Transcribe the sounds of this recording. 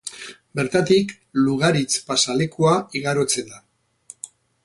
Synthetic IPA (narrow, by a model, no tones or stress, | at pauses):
be̞ɾt̪at̪ik | luɣ̞aɾit͡spasale̞kuaiɣaɾo̞t͡send̪a